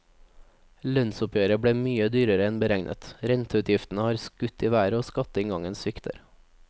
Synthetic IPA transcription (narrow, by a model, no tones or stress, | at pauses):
lœnsʊpʰjøːɾəbɽeːmyːəd̪yːɾəɾəɛnbəɾæŋnʔə̰t̪ɾɛnt̪əʉːt̪ʰjɪft̪n̩əhɑːɾskʉt̪iːʋæːɾəoːskɑt̪əɪŋɡɑŋənsʋɪkt̪ʰə̰ɾ